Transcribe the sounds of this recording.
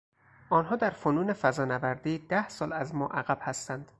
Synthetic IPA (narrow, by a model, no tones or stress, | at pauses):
ʔɒːnɦɒːd̪æɾfonuːne̞fæzɒːnævæɾd̪iːd̪̥æhsɒːlæzmɒːʔæɣæb̥hæst̪ænd̪̥